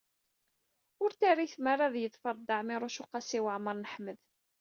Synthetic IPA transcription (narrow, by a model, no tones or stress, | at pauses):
ʊɾt̪aɾiθmarˤːaðjəðfəɾˤd̪ɑʕmɪɾˤʊʃʊqɑsiwəʕməɾˤnəħməð